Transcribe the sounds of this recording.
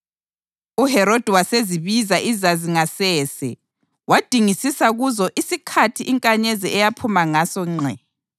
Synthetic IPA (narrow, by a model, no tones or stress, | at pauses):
uɦɛɾod̥ʱiwaseziβizaʔizaziŋasɛːsɛ | wad̥ʱiŋisisaɣuzɔʔisikʰatʰiʔiŋkʼaɲezɛɛjapʰumaŋasɔŋ͡ǀʱɛ